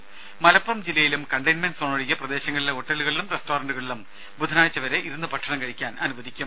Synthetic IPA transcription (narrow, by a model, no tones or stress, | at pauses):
mɐlɐpːurɐmd͡ʑilːɐjilumkɐɳɖɐjnmenɖsoːɳɐɻiɣʲɐprɐd̪e̞ːɕɐŋːɐɭileo̞ʈːɐluɣɐɭilumresto̞ːrɐɳɖuɣɐɭilum | bud̪ʱɐnaːjt͡ɕːɐʋɐɾe̞ʔiɾunːɨpɐʈʂɐɳɐmkɐɻikʲːaːnɐnubɐðʱikʲːum